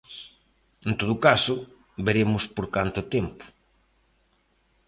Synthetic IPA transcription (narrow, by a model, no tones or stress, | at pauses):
ẽnt̪oðʊkasʊ | beɾemʊspoɾkant̪ʊt̪empʊ̥